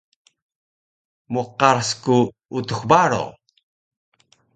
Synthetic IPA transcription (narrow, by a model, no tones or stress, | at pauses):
muqaɾsku | ut̪uxbaɾo̰